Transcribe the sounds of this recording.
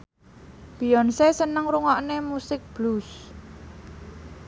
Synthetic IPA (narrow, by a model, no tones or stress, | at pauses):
b̥i̤jɔnsesənəŋɾuŋɔʔnemusɪk̚b̥lus